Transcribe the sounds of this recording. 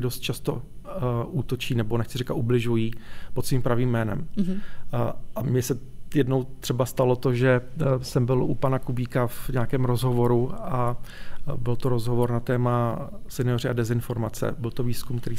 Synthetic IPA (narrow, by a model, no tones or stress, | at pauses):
dost̪̚t͡ʃast̪o̞̰ | ʔuːt̪o̞t͡ʃiːnɛbo̞nɛxt͡sɪrɛkat̪ʔublɪʒujiːpot̪sviːmpɾaviːmːɛːnɛ̰m | ʔamɲɛsɛjɛdno̞wt̪r̝̥ɛbast̪alo̞t̪o̞ʒɛsɛmbɪlupanakubiːkavɲɛakɛːmɾozɦo̞vo̞ɾua | bɪlt̪oɾozɦovo̞ɾnat̪ɛːmasɛnɪorɪadɛzɪnfo̞ɾmat͡sɛ̰bɪlt̪o̞viːskumkt̪ɛɾiː